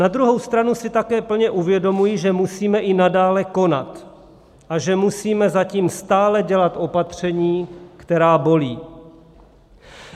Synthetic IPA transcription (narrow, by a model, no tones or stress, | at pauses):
nad̪ɾuɦo̞wst̪ɾanusɪt̪akɛːpl̩ɲɛʔuvjɛdo̞mujiʒɛmusiːmɛʔɪnadaːlɛko̞nat̪ | ʔaʒɛmusiːmɛzaciːmst̪aːlɛɟɛlat̪ʔo̞pat̪r̝̥ɛɲiːkt̪ɛɾaːbo̞liː